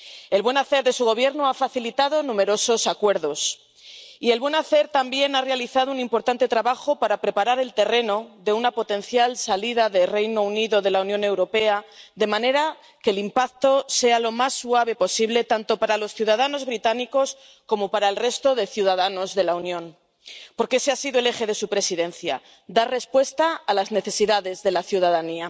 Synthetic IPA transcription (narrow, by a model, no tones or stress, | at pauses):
e̞lβwe̞naθe̞ɾðe̞suɣo̞β̞je̞ɾnoafaθilit̪að̞o̞nũme̞ɾo̞so̞sakwe̞ɾðo̞s | ielβwenaθe̞ɾt̪ambje̞narealiθað̞ounĩmpo̞ɾt̪ant̪e̞t̪ɾaβaxo̞paɾapɾe̞paɾaɾe̞lt̪e̞re̞no̞ðe̞unapo̞t̪ẽ̞nθjalsaliðaðe̞re̞jno̞uniðo̞ðe̞launjõ̞ne̞wɾo̞pe̞aðe̞mãne̞ɾa | kelimpak̚t̪o̞se̞alo̞masːuaβ̞e̞po̞siβle̞t̪ant̪o̞paɾalo̞sθjuðað̞ano̞zβɾit̪aniko̞s | ko̞mo̞paɾaelre̞st̪o̞ðe̞θjuð̞að̞ano̞zðe̞launjõ̞n | po̞ɾkeseasiðoelexe̞ð̞e̞supɾe̞siðẽ̞nθja̰ | d̪are̞spwe̞st̪aːlazne̞θe̞siðaðe̞zðe̞laθjuð̞aðania